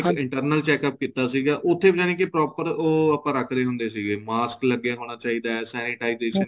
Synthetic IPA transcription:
kɪɳʈəɾnəlt͡ʃɛːkəp̚kiːt̪aːsiːɡaːʔʊt̪ʰːeːbəd͡ʒãːnẽːkepɾɔːpəɾoːəpãːɾəkʰɾeːɦʊ̃nd̪eːsiːɡeːmaːskləɡjãːɦoːɽ̃aːt͡ʃaːiːd̪aːɛːsɛːniʈaːizeːʃən

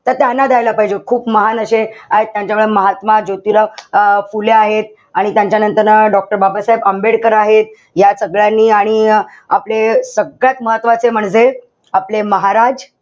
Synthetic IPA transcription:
t̪əɾt̪janːad̪ajlapaɦid͡ʑekʰuːpməɦanəɕeaɦet̪ːjãɲt͡ɕamʋeɭeməɦat̪mad͡ʑot̪iɾafuleaɦet̪̚ | aɽ̃it̪jãɲt͡ɕanənt̪əɾnəɖɔk̚ʈəɾbabasaebəmbeɽkəɾaɦet̪̚ | jasəɡɭjanːiːaɽ̃i | aplesəɡɭjat̪məɦət̪ːʋat͡sem̤əɳ̃d͡ze | apleməɦaɾad͡z

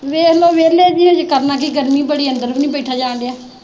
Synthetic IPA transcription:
ʋeːloːʋeːleːd͡ʒinẽːd͡ʒkəɾnãːkiɡəɾmiːbəɽiːənd̪əɾbinĩːbɛiʈʰaːd͡ʒãːɳɖejaː

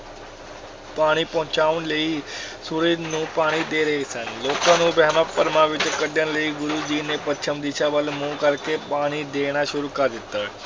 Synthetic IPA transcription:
paɽ̃iːpɔ̃ɦt͡ɕaʋnleisuɾid̪nũːpaɽ̃iːd̪eɾesanlokanũːbʱamapːəɾmaʋit̪əkəɖjanləiɡuɾud͡ʑiːnepətːt͡ʃʰəmd̪iɕaʋəlmukalkepaɽ̃id̪eɽ̃aɕuɾukad̪it̪a

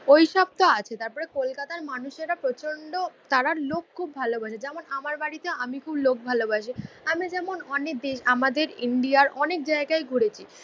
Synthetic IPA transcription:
ojʃɔb̚t̪oat͡ɕʰet̪aɾpɔɾekolkat̪aɾmanuʃeɾapɾot͡ɕoɳɖot̪aɾaɾlokkʰːubːʱalobaʃed͡ʑɛmonamaɾbaɽit̪eamikʰublok̚bʱalobaʃ̬i | amid͡ʑɛmonɔnek̚d̪eʃamad̪eɾiɳɖiaɾɔnek̚d͡ʑaeɡaeɡʱuɽet͡ɕʰi

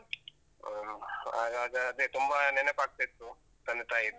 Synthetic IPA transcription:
aːɡaːɡɐːd̪et̪umbɐnɛnɐkaːɡ̚t̪ait̪ːu | t̪ɐnd̪t̪aːjid̪

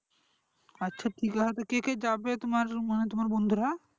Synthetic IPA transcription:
atːʃʰaʈʰikaɦɔt̪ekeked͡ʑabet̪omaɾmanet̪omaɾbond̪ʱuɾa

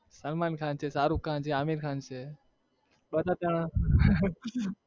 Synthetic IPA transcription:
səlmaːnkʰaːnt͡ʃʰeːsaːɾũːkãːnt͡ʃʰeːaːmiːɾkʰaːnt͡ʃʰeː | ɓəd̪ʱaːt̪aɽãː

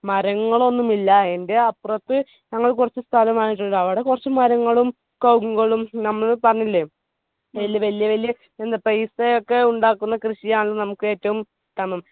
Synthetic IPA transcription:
mɐɾɐŋːɐɭo̞nːumilːɐe̞nde̞ɐpːrɐt̪ːɨ | ɲɐŋːɐɭkurɐt͡ɕːɨst̪ʰɐlɐmaːiʈ̬ːuɳːɨɐʋiɽe̞kurɐt͡ɕːɨmɐɾɐŋːɐɭum | kɐwkːuɣɐɭumnɐmːɐɭpɐrɐɲːilːe | ʋelːjɐʋɐlijɐʋɐlijɐ | end̪ɐpejsejokːe̞uɳɖaːkːunːɐkrɨɕijaːɳɐɭːnɐmukːɨe̞ːtːɐʋum | t̪ɐmɐm

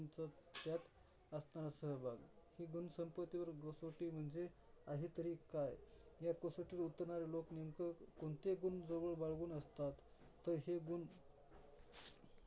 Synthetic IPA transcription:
nt͡sət̪jat̪ | əsnaɾasəɦəbʱaɡhiːɡunsəmpət̪iʋəɾɡəsoʈiːm̤əɳd͡ze | aɦit̪əɾiːkajjaɾkəsoʈiɾut̪əɾɳaɾeloknimkəkoɳt̪eɡund͡zoʋəɭbaɭɡuːnəst̪at̪ː | əɾɦeɡun

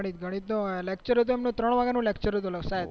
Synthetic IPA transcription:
ɽ̃it̪ɡʱəɽ̃it̪nolek̚t͡ʃəɾɦət̪̬uɛmnũt̪ɾəɳ̃ʋaɡanũlekt͡ʃəɾɦət̪̬uləksaet̪

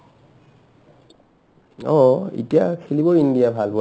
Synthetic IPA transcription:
ɔḭtija̰kʰilibɔindijabʱalpɔ

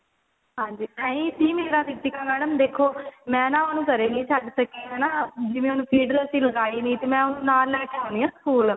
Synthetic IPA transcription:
ɦãːɲd͡ʒiːt̪ɛ̃ːĩːsiːmeːɾãːt̪ɪkʈ̪ikaːmɛːɖəmd̪eːkʰoːmɛ̃ːnãːʊnũːkəɾeːnĩːt͡ʃʰəɖsəkeːɦɛːnaːd͡ʒɪʋẽːʊnũːpʰiːɖəɾsiːləɡaːiːnĩːt̪eːmɛ̃ːʊnũːnaːlːɛːʈʰjaɦõːniːãːskuːl

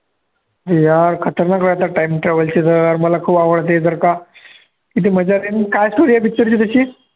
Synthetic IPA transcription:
d̪ijaɾkʰət̪əɾnakɾajt̪aʈajimʈɾɛʋəlt͡ɕit̪əaɾməlakʰuːbaʋəɭt̪̬ed͡zəɾka | kit̪̬iməd͡ʑaɾenkajsʈoɾijabʱit̪ːəɾt͡ɕit̪əɕiː

